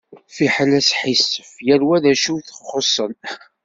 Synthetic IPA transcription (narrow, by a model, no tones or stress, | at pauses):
fiħəlæsħisːəfjæɾwæðæʃuθəχχosˤːən